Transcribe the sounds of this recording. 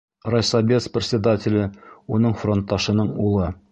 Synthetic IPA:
rojsɑbʲet̪sprʲɪt̪ʲsʲɪd̪atʲɪlʲɘunɤɴfro̞nt̪ːɑʃɤ̆nɤɴulˠɤ

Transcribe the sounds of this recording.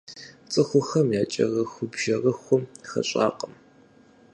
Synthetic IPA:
t͡sʼɨxʷʊxɐmjaːt͡ʃʼɐ̰rɐxʷʊbʒɐrɐxʷʊmxɐ̰ɕʼa̰ːqəm

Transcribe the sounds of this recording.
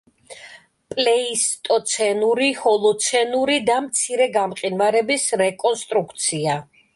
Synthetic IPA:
pʼlɛist̪ʼɔt̪sʰɛnuɾihɔlˠɔt̪sʰɛnuɾid̪amt̪sʰiɾɛɡamqʼinvaɾɛbisɾɛkʼɔnst̪ʼɾukʰt̪sʰia

